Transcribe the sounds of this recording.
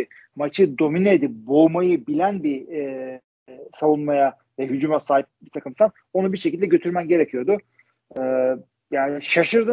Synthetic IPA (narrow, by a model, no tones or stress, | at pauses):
mat͡ʃʰɯd̪o̞mined̪ibo̞jmajɯbilʲænbi | savunmaja | vɛɦyd͡ʒumasaːɦip̚bit̪ʰakɯmsan | o̞nubiɾʃecilʲd̪ɛɟø̞t̪ʰyɾmænɟe̞ɾecʰijo̞d̪ʊ | ɛː | jaːnʃaʃɯɾd̪ɯ